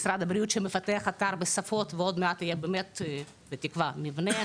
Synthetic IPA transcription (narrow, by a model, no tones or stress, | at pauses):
sɾad̪ɐbɾijut̪ʃɛməfat̪eɐχat̪aɾbəsafot̪veod̪meat̪ɪjebemɛt̪ | bet̪ikvamivne